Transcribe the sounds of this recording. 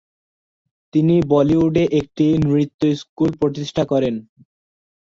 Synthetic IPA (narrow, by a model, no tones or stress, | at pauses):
t̪inibɔliuɖeʔek̚ʈimɾit̪ːoiskulpɾot̪iʃʈʰakɔɾen